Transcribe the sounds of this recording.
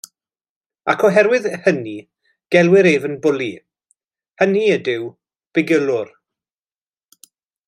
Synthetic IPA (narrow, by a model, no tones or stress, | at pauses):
akʰɔɦɛɾwɪðhəni | ɡ̥ɛlˠwɪɾevənbʊlˠi | həniədɪw | b̥ɪɡəlˠʊr